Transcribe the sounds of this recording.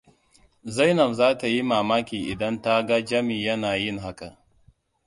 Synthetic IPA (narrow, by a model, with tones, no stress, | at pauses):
za˦jnɐ˨mzaː˦ta˨ji˦maː˨maː˦kʲiː˨ʔɪ˨dɐ˦nta˦ɡa˦d͡ʒɐ˦miː˨jɐ˦naː˨jɪ˦˨ŋɦa˦ka˨